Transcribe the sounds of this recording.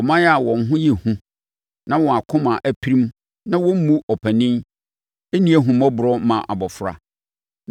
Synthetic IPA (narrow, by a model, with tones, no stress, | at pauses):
ɔ˨mã˦ja˨wɔ̃˨ŋ˨˦ɦʊ̃˦jɛ˨hũ˦ | nã˦wɔ̃˨a˨kʰʊ̃˦mã˨ʔæ˦pʰi˦ɾĩ˦m | nã˦wɔ̃˦m̩˦mũ˦ɔ˨pʰæ˨nĩ˦m | e˦nĩ˦æ˦ɦũ˨mɔ̃˦bʊ˨ɾɔ˦mã˨ʔa̰˨bɔ˨fʊ˨ɾa̰˦